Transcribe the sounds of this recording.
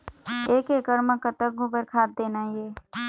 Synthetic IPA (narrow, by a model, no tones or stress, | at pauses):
eːkekəɾməkət̪ək̚ɡubəɾkʰaːd̪̚d̪eːnajeː